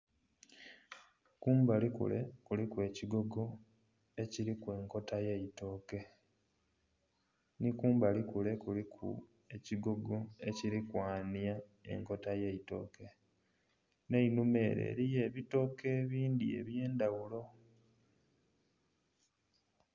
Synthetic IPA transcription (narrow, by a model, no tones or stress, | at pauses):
kuːmbalikṵlekulikwe̞ːciɡo̞ɡo̞ | e̞ciɾikwe̞ːŋko̞tajeito̞ːke̞ | nikuːmbalikule̞kulikʰṵ | e̞ciɡo̞ɡo̞e̞ciɾikwaːnja | e̞̰ŋko̞tajeito̞̰ːke̞ | ne̞inume̞ːɾḛːɾije̞βito̞ːke̞ːβiːnd̪ie̞̰βje̞ːndawulo̞